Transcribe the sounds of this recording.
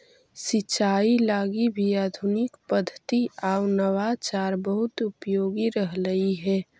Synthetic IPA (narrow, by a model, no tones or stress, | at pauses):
sɪːt͡ʃaːilaːɡibʱiaːd̪ʱʊnɪkpəd̪ʱːət̪iʔaːunəwat͡ʃaːɾbəɦʊt̪ʊpjoːɡiɾəɦləiɦɛː